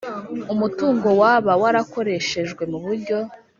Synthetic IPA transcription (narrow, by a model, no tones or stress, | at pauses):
umutuːŋɡo̞waβawaɾako̞ɾe̞ʃe̞ʒɡwe̞muβuɾɟo̞